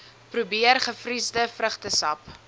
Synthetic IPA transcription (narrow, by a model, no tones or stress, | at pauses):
prubiərχəfrisdəfrəχtəsɐp